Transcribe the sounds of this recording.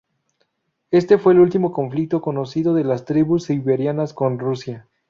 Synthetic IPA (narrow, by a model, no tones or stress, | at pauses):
e̞st̪e̞fwe̞ːlult̪imo̞ko̞ɱflik̚t̪o̞ko̞no̞siðo̞ðe̞last̪ɾiβusiβeɾjanasko̞nrusja